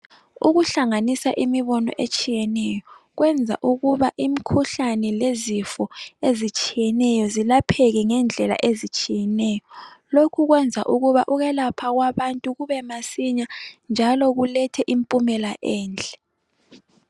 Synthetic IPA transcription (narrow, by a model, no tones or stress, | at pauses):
uɣuɬaŋanisaʔimiβɔnɔ̰ʔet͡ʃʼijɛnɛjɔ | ɣwɛnd͡zʱa̰ʔuɣuβaʔimikʰuɬanɛlezifɔezit͡ʃʼijɛnɛjɔzilapʰɛɣɛŋɛnd͡ɮʱɛla̰ʔezit͡ʃʼijɛnɛjɔlokʰuɣwɛnd͡zʱa̰ʔuɣuβa̰ʔuɣɛlapʰaɣwaβantʼuɣuβɛmasiɲand͡ʒʱalɔɣulɛtʰɛʔimpʼumɛlaʔɛːnd͡ɮʱɛ̥